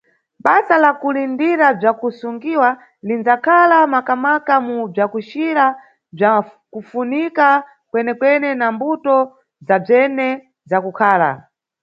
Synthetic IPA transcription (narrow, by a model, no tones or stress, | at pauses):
ɓasalakulindiɾab͡ʐakusuŋɡiwa | lind͡zakʰalamakamakamub͡ʐakuʃiɾa | b͡ʐakufunika | kwɛnɛkwɛnɛnambutɔ | zab͡ʐɛnɛ | zakukʰaːla̰